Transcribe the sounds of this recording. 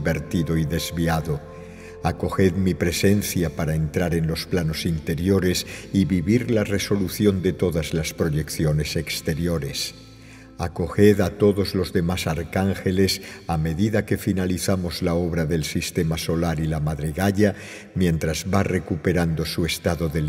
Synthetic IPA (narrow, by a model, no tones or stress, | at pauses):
be̞ɾt̪iðo̞iðe̞zβiaðo̞ | ako̞xeðmipɾe̞se̞nθjapaɾaent̪ɾaɾe̞nlo̞splano̞sint̪e̞ɾjo̞ɾe̞siβiβiɾlare̞so̞luθjo̞nd̪e̞t̪o̞ðazlaspɾo̞ʝekθjo̞ne̞se̞kst̪e̞ɾjo̞ɾe̞s | ako̞xe̞ðat̪o̞ðo̞zlo̞zðe̞masaɾkaŋxe̞le̞same̞ðiðake̞finaliθamo̞zlao̞β̞ɾaðe̞lsist̪e̞maso̞laɾilamaðɾeɣaʎa | mjẽ̞nt̪ɾazβare̞kupe̞ɾand̪o̞sue̞st̪aðo̞ðe